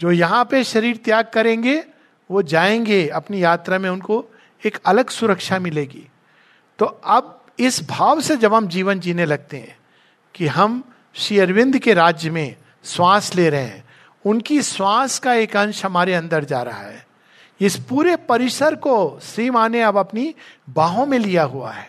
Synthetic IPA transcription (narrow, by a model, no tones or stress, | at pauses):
d͡ʒoːjɐɦãpeʃɐɾiːɾt̪jaːɡ̚kɐɾẽːŋɡe | ʋod͡ʒaːẽːŋɡeɐpnijaːt̪ɾamẽʊnko | eːkɐləɡsʊɾəkʃamɪleːɡḭː | t̪oːɐb̚ | ɪsbʱaːʋsed͡ʒɐbɦɐmd͡ʒiːʋənd͡ʒiːnelɐɡ̚t̪eɦɛ̰̃ː | kiɦɐm | ʃiːəɾʋɪ̃nd̪ʱkeɾaːd͡ʒjəmẽ | swaːsleɾɐɦeɛ̰̃ː | ʊnkiswaːskaeːkɐ̃nʃɦɐmaːɾeɐ̃nd̪əɾd͡ʒa̰ːɾɐɦa̰ɦɛː | ɪspuːɾepɐɾɪsəɾkoʃɾiːmaːneɐbɐpnibaːɦõmẽlijaɦua̰ɦɛː